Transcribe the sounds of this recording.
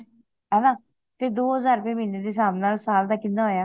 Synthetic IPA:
ɛːnãː | t̪eːd̪oːɦəzaːɾpẽːmɪneːd̪eːsaːmnaːlsaːld̪aːkɪ̃nd̪aːɦoːjaː

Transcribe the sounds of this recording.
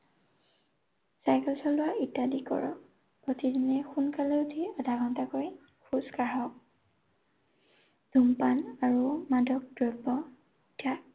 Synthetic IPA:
sajkɛlsɔlʊwaitːadikɔ̰ɹɔ̰ | potidinɛxunkaleutʰiɔdʱaɡʱɔntakoɹi | kʰuskaɦɔ | d̥ʱumpanaɹumadɔk̚dɹɔbɔ | itʰa

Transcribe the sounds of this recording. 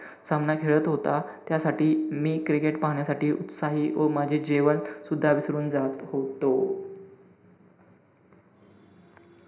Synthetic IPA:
samnakʰeɭət̪ɦot̪at̪jasaʈiːmiːkɾikeʈpaɦɳjasaʈiːʔṵt̪saɦiːomad͡ʑʱed͡ʑeʋənsud̪ʱːaʋisɾuːnd͡zat̪hot̪o

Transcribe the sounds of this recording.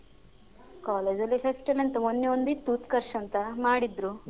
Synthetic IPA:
kaːleːd͡ʒɐlːifesʈɐlɐnt̪ɐmonːeond̪it̪uːt̪kɐɾʃɐnt̪ɐmaːɽid̪ɾu

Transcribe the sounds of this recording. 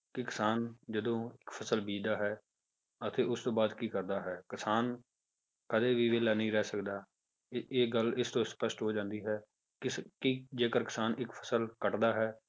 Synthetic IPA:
kɪkɪsaːnd͡ʒəd̪õːɪkpʰəsəlbiːd̪aːɦɛː | ət̪ʰeːʊst̪õːbaːd̪kiːkəɾd̪aːɦɛːkɪsaːn | kəd̪eːʋiːʋeːlɛːnəĩːɾɛːsəkd̪aː | eːɡəlɪst̪õːspəsʈɦoːd͡ʒãːnd̪iːɦɛː | kɪkid͡ʒeːkəɾkɪ̥saːnɪkpʰəsəlkəʈd̪aːɦɛː

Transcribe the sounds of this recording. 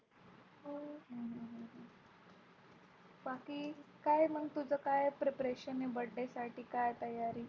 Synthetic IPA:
ɦojɦɦɦɦ | bakiːkajm̤ənt̪ud͡zəkajpɾepɾeɕənebəɖːesaʈʰiːkajt̪əjaɾiː

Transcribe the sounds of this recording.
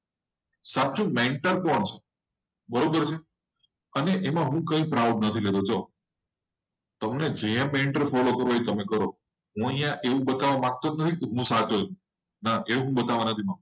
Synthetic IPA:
sat̪ːʃʰũmeɳʈəɾpəɳt͡ʃʰe | bəɾobəɾt͡ʃʰe | əneʔemãɦũkəĩpɾawɖ̚nət̪ʰiled̪ot͡ʃʰo | t̪əmned͡ʒeẽmeɳʈəɾfɔlokəɾoit̪əmekəɾo | ɦũəɦj̃jãʔeʋũbət̪aʋamãk̚t̪onət̪ʰikeɦũsat͡ʃot͡ʃʰũ | naʔeʋũɦũbət̪aʋanət̪ʰimak̚t

